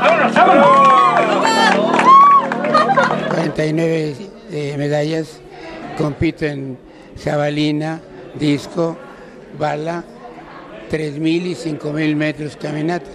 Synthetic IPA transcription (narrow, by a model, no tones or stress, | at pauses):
kwaɾent̪ajnweβe | emeðajas | kompit̪oen | ʃaβalina | d̪isko | βala | t̪ɾezmilisiŋkomilmet̪ɾoskaminat̪ḁ